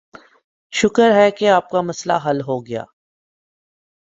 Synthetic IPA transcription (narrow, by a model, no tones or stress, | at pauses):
ʃʊkəɾɦɛkeaːp̚kamɐsla̰ɦɐlɦoɡɐja̰ː